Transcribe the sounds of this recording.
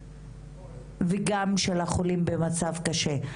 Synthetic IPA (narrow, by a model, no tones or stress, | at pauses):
veɡamʃelaχolimbemat͡savkaʃe̞